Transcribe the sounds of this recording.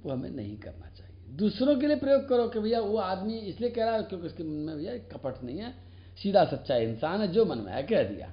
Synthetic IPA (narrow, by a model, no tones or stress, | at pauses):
oɦəmḛnə̰ɦĩkə̰ɾna̰t͡ʃaɦied̪usɾõk̬eliepɾəjoːɡ̚kəɾɔkebʱəjaoad̪miɪsliekɛɾakjõkeɪskemənmebʱəjakəpəʈʰnə̰ĩɛ | sid̪ʱasət̪ːʃʰaiɪnsanɦɛd͡ʒomənmḛa̰keɛd̪ḭja̰